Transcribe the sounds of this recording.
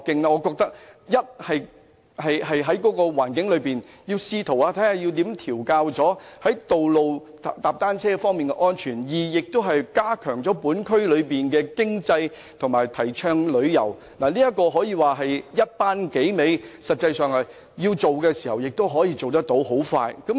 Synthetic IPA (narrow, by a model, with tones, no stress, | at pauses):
kːɪ˧ŋlɛː˧ŋɔː˨˧kɔː˧k̚t̪ɐ˥k̚jɐ˥t̚hɐ˨j | hɐ˨jɦɐ˨jɦɐ˨˥jkɔː˨˥kɔː˧waː˨˩nkɪ˨˥ŋlɵ˨˧ɥpiː˨˩n | jiː˧wsiː˧t̪ʰo˨˩waː˧t̪ʰɐ˨˥jaː˨˩ji˧wt̪iː˨˥mt̪ʰiː˨˩wkaː˧wt͡sɔː˨˥hɐ˨˥jt̪o˨wlo˨w | t̪aː˨p̚t̪aː˥nt͡sʰɛː˥fɔː˥ŋmiː˨nkɛ̰˧ʔɔː˥nt͡ʃʰyː˨˩njiː˨jɪ˨k̚t̪o˥wɦɐ˨jkaː˥kʰœː˨˩ŋt͡sɔː˨˥puː˨˥nkʰɵ˥ɥlɵ˨˧ɥpiː˨nkɛː˧kɪ˥ŋt͡sɐ˧j | t̪ʰʊ˨˩ŋmaː˨˩jt̪ʰɐ˨˩jt͡ʃʰœː˧ŋlɵ˨˧ɥjɐ̰˨˩w | naː˨˩liː˥jɐ˥t̚kːɔː˧ɦɔː˨˥jiː˨˧waː˨ɦɐ˨jjɐ˥t̚paː˥nke˨˥jme˨˧jsɐ˨t̚t͡sːɐ˧jsœː˨ŋɐ˨˩ | jiː˧wt͡so˨wkɛː˧siː˨˩hɐ˨˩wjɪ˨k̚t̪o˥wɦɔː˨˥jiː˧t͡so˨wt̪ɐ˥k̚t̪o˨˧˥wɦo˨˥wfa̰ː˧jkɐ˨˦˥m